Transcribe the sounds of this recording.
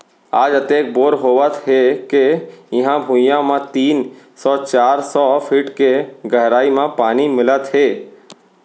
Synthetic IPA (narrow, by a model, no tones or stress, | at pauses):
aːd͡ʒət̪eːk̚boːɾɦoːʋət̪ɦekejɪɦãbʱʊ̃jãmẽt̪iːnsɔːt͡ʃaːɾsɔpʰiːʈkeɡəɦɾaːimẽpaːnimɪlət̪ɦeː